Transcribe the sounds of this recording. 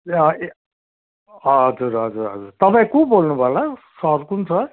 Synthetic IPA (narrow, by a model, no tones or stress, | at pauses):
ʌ | ɦʌd͡zuɾɦʌd͡zuɾɦʌd͡zuɾt̪ʌpãĩkobolnubʱʌlasʌɾkunt͡sʰʌ